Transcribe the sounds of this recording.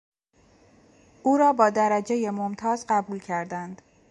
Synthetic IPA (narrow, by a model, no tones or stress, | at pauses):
ʔuːɾɒːbɒːd̪æɾæd͡ʒe̞je̞momt̪ʰɒːzɢæbuːlcʰæɾd̪ænd̪̥